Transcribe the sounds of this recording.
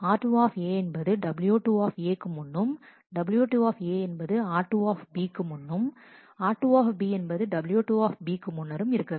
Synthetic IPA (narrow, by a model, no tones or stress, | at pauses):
aːɾʈuːaːfeːɛnbɐðɯɖɐbɪljuːʈuːaːfeːkːɯmʊnːɯm | ɖɐbɪljuːʈuːaːfeːɛnbɐðɯaːɾʈːuaːfbiːkːɯmʊnːɯm | aːɾʈːuːaːfbiːɛnbɐðɯɖɐbɪljuːʈuːaːfbiːkːɯmʊnːɐɾɯmɪɾɯkːɐ